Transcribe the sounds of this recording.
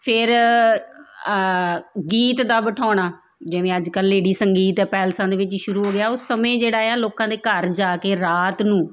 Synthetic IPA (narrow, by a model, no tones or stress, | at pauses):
pʰɪɾ | ɡiːt̪d̪aːbəʈʰɔːɳaː | d͡ʒeːʋẽːəd͡ʒkəlːeːɽiːsəŋɡiːt̪əpɛːlsãːd̪eːʋɪt͡ʃʃʊɾuːɦoːɡɪaːoːsəmẽːd͡ʒeːɽaːeaːloːkãːd̪eːkəɾd͡ʒaːkeːɾaːt̪nũː